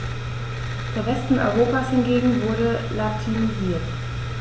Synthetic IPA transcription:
d̥eːɐvɛstn̩ʔɔ̰ʏʁ̞oːpashɪnɡeːɡŋ̩vʊɐɾəlatʰinuziːɐt

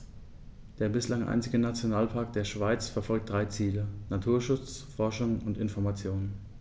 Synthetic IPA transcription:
d̥eːɐbɪslaŋʔa̰ɪnt͡sɪɡənat͡sjonaːlpʰaɐk̚d̥eːɐʃv̥aɪt͡sfɛɐfɔlk̚t̚d̥ʁaɪt͡siːlənatʰuːɐʃʊt͡sfɔɐʃʊŋʊntɪnfɔɐmat͡sjoːnən

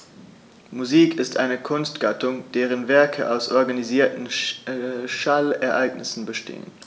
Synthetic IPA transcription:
muziːkʰɪstʔaɪnəkʰʊnstɡ̥atʰʊŋd̥eːʁ̞ənvɛɐkʰə̰ʔaʊsʔɔɐɡaniziːɐtn̩ | ʃalɛɐʔaɪɡnɪsn̩bəʃtḛːə̰n

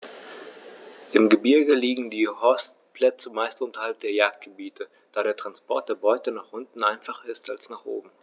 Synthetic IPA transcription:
ʔɪmɡəbɪɐɡəliːɡŋ̩diːhɔst | pʰl̥ɛt͡səmaɪstʔʊntɐhalp̚d̥eːɐjaːk̚t̚ɡ̥əbiːtʰə | d̥aːɾeːɐtʁ̥anspɔɐt̚d̥eːɐbɔʏtənaːχʔʊntn̩ʔaɪnfaχɐɪstalsnaːχʔo̰ːbm̩

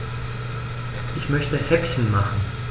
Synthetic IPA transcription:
ʔɪçmœçtəhɛpçən̩maχn̩

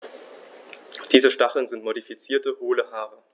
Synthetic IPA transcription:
d̥iːzəʃtaχl̩nzɪntmodifit͡siːɐtəhoːləɦaːʁə

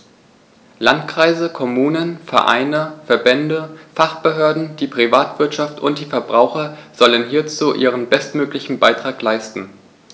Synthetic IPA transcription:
lantkʁ̥aɪzəkʰɔmuːnənfɛɐʔa̰ɪnəfɛɐbɛndəfaχb̥əɦøːɐdn̩d̥iːpʁ̥ivaːtv̥ɪɐtʃaftʰʊnt̚d̥iːfɛɐbʁaʊxɐz̥ɔlənɦiːɐt͡suːʔiːʁ̞ənbɛstmøːklɪçn̩baɪtʁ̥aːklaɪstn̩

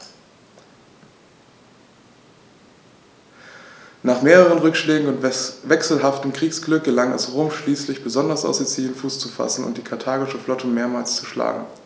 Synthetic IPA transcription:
naːχmeːʁəʁ̞ənʁʏkʃlɛːɡŋ̩ʊntvɛksl̩ɦaftəmkʁ̥iːksɡ̥lʏk̚ɡ̥əlaŋa̰sʁoːmʃliːslɪçb̥əzɔndɐsa̰ʊsdɛt͡siːlənfuːst͡sufa̰sn̩ʊ̰nt̚d̥iːkʰaɐtʰaːɡɪʃəflɔtʰəmeːɐmaːlst͡suʃla̰ːɡŋ̩

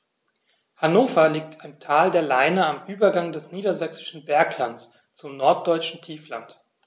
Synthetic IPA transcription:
hanoːfɐliːk̚tʰantʰaːldeːɐlaɪnəamʔyːbɐɡaŋdɛsniːdɐzɛksɪ̥ʃn̩bɛɐklant͡s | t͡sʊmnɔɐt̚d̥ɔʏt͡ʃn̩tʰiːflant

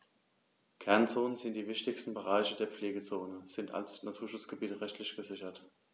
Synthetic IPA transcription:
kʰɛɐnt͡soːnənzɪntd̥iːvɪçtɪçstn̩bəʁaɪçədeːɐp͡fleːɡət͡soːnəz̥ɪntʰa̰lsnatʰuːɐʃʊt͡sɡ̥əbiːtəʁɛçtʰlɪçɡ̥əzɪçɐt

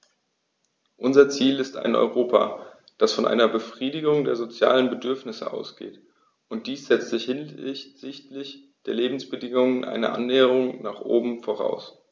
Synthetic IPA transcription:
ʔʊnzɐt͡siːlɪsta̰ɪnʔɔ̰ʏʁ̞oːpʰa̰ | d̥asfɔnʔa̰ɪnɐbəfʁ̥iːdɪɡʊŋdeːɐzot͡sja̰ːlənbədʏɐfnɪsə̰ʔa̰ʊsɡ̥ḛːt | ʔʊnt̚d̥iːsz̥ɛt͡stz̥ɪçhzɪçtlɪç | d̥eːɐleːbm̩sb̥ədɪŋʊŋənʔa̰ɪnə̰ʔa̰nːɛːəʁʊŋnaːχʔo̰ːbm̩foːʁ̞a̰ʊs

